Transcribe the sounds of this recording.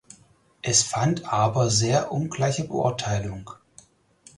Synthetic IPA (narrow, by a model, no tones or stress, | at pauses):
ʔɛsfantʔaːbɐzeːɐʔʊnɡlaɪçəbəʔʊ̰ɐtʰaɪlʊŋ